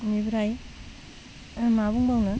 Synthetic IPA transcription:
mibɾaj | mabuŋbawnɐ

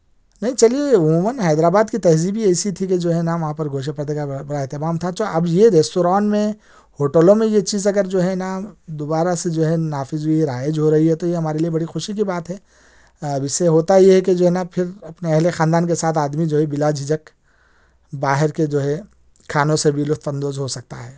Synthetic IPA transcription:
nɐɦĩt͡ʃɐlieʊmũːmənɦɛːd̪ɾaːbaːd̪kit̪ɐɦzibʱiɛːsit̪ʰiked͡ʒoːɦɛnaːmʋɐɦãpɐɾɡʱoːʃ̬əpəɾd̪ekabɐɽaɛɦt̪emaːmt̪ʰat̪oʔɐbjeɾeːsʈoːɾaːnmẽ | hoːʈəlõmẽjet͡ʃiːzɐɡəɾd͡ʒoːɦɛnad̪oːbaːɾased͡ʒoːɦɛnaːfɪzuiɾaːjəd͡ʒɦoɾɐɦiɦɛt̪ojeɦɐmaːɾeliebɐɽixʊʃik̬ibaːt̪ɦɛː | ɐbɪseɦoːt̪ajeɦɛked͡ʒoːɦɛnapʰɪɾɐpneɐɦlexãːnd̪aːnkesaːt̪ʰaːd̪mid͡ʒoːɦɛbɪlaːd͡ʒʱɪd͡ʒək | baːɦɪɾked͡ʒoːɦɛ | kʰːaːnõsebʱilʊft̪ʰbɐ̃nd̪oːzɦosɐk̚t̪a̰ɦɛː

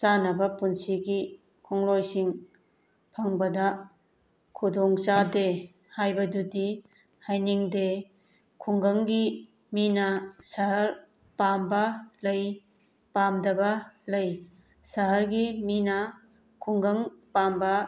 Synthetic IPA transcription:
t͡ʃanɐbɐpunsiɡi | kʰɔŋlojsiŋ | pʰɐŋbɐdɐ | kʰudɔŋt͡ʃade | hajbɐdudi | hajniŋde | kʰuŋɡɐŋɡi | minɐsɐɦɐɾ | pambɐlɐj | pamdɐbɐlɐj | sɐɦɐɾɡiminɐ | kʰuŋɡɐŋpambɐ

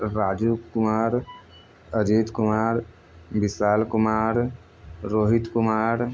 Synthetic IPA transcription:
ɾaːd͡ʒuːkʊmaːɾ | əd͡ʒiːt̪kʊmaːɾ | bɪsaːlkʊmaːɾ | ɾoːɦit̪kʊmaːɾ

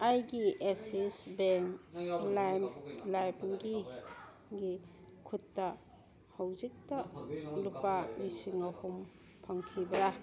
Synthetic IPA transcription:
ajɡiesisbeŋlajmlajmɡi | ɡi | kʰutːɐ | hawzik̚tɐlupamisiŋɐhum | pʰaŋkʰibɾa

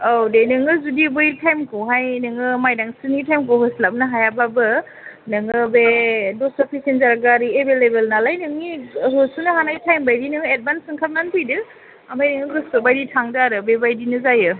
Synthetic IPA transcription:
awdenɯŋɯzudibɯjtʰajmkʰoɦajnɯŋɯmajdaŋsɯnitʰajmkʰoɦɯslap̚naɦajababɯ | nɯŋɯbedɔsɔpʰisenzaɾaɡaɾiebelebelnalajnɯŋiɦɯsunɯɦanajtʰajmbajdinɯŋɯet̚bansɯŋkʰap̚nanpʰɯjdɯ | amajnɯŋɯɡɯsobajditʰaŋdaaɾɯbebajdinɯzajɯ

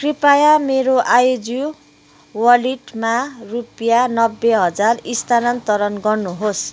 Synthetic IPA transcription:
kripajameɾoʔajod͡zu | wʌliʈmarupjanʌbːeɦʌd͡zarist̪anʌnt̪ʌɾʌnɡʌrnuɦos

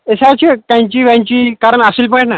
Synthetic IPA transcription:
esat͡ɕekãj̃t͡ɕiːʋãt͡ɕiːkaɾəɳasiːlpəeʈna

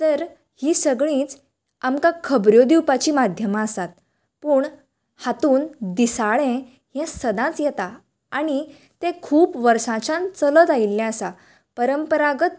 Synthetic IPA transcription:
t̪əɾ | hiːsəɡɭĩːt͡s | amkãkʰəbɾjod̪iwpat͡ɕiːmad̪ʱjəmaːsat̪̚ | puːɳ | hat̪uːnd̪isaɭẽ | ɦɛ̃səd̪ãt͡sjɛt̪a | aɽ̃i | t̪ẽkʰuːpʋəɾsãt͡ɕãnt͡sələt̪ailːãəsa | pəɾəmpəɾaɡət̪̚

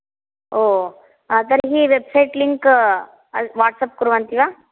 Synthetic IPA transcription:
oː | at̪̬ɐɾɦiːʋebsɐjʈliŋk | ɐʋaːʈsɐp̚kuɾʋɐnt̪iʋaː

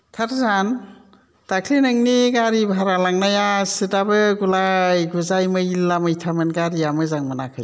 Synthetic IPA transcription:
tʰaɾzan | takʰlinɯŋniɡaɾibʱaɾalaŋnajasɯdabɯɡulajɡuzajmɯilːamɯjtʰamɯnɡaɾijamɯzaŋmɯnakʰɯj

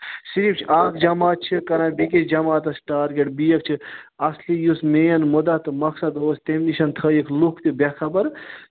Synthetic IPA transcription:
siɾiːpt͡ʃʰiʔaːkʰd͡ʒɐmaːt̪̚t͡ʃʰikɐɾãːbiked͡ʒɐmaːt̪ɐsʈaːɾɡeʈ̚bijɐkt͡ʃʰiɐslijusmejɐnmud̪ɐt̪mɐksɐd̪oːst̪emniʃɐnt̪ʰəikʰlukʰt̪ibekʰɐbɐɾ

